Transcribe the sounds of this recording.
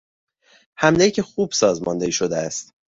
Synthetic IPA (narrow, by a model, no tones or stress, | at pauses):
hæmlecʰexuːb̥sɒːzmɒnd̪eiʃod̪eæst̪